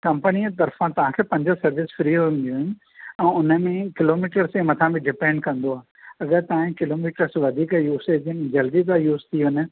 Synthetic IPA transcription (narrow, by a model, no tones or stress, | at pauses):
kɐ̃mpənit̪ɐɾfãt̪ɐʋ̤ãkʰeːpɐ̃ɲd͡ʑosɐɾʋɪsfɾiɦuũnd̪iũɦɪnɪ̆ | ɛ̃ːʊnə̆mẽkɪloːmiːʈəɾsẽmɐt̪ʰãbɪɖɪpẽːɳɖ̚kɐ̃nd̪oaː | ɐɡəɾt̪ɐʋãẽkɪloːmiːʈəɾsʋɐd̪ʱiːkajuːseːd͡ʑɪnd͡ʑɐld̪id̪ajuːzt̪ʰiʊnə̆